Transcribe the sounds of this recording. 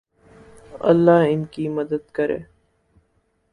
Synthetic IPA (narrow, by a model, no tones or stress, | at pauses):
ɐ̰lːaːɦɪnkiməd̪əd̪kəɾḛː